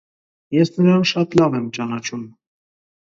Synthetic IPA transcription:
jɛsnəɾɑnʃɑt̪lɑvɛmt͡ʃɑnɑt͡ʃʰum

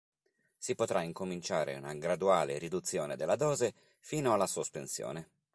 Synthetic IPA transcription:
sipot̪ɾaiŋkomint͡ʃaːɾḛunaɡɾad̪uaːlḛɾid̪ut̪sːjoːned̪elːad̪ɔːze | fiːnoalːasospensjo̰ːne

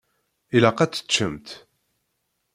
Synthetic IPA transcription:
ilaqæt͡sːə̥t͡ʃːəmt̪

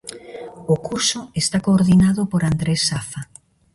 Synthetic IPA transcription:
okuɾsʊest̪akoːɾðinaðʊpoɾand̪ɾesːafa

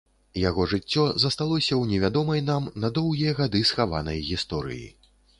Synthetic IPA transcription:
jaɣɔʐɨt͡sʲːɔzɐst̪alˠɔsʲɐwnʲɛvʲad̪ɔmɐjnamnɐd̪ɔwɣʲijɐɣad̪ɨsxava̰nɐjɣʲist̪ɔɾɨ̰jḭ

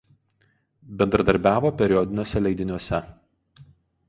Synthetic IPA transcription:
bʲɛnd̪ɾɐd̪ɐɾʲbʲæːʋoːpʲɛɾʲɪjɔd̪ʲɪnʲuɔsʲɛlʲɛɪd̪ʲɪnʲɔsʲɛ

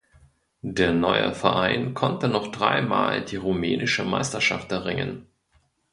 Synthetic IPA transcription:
d̥eːɐnɔʏə̰fɛɐʔaɪnkʰɔntənɔχd̥ʁa̰ɪma̰ːldiːʁumɛːnɪʃəma̰ɪstɐʃa̰ftɛʁɪŋə̰n

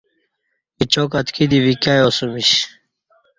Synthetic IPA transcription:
it͡ɕokat̪kʰid̪iʋikajosumiɕ

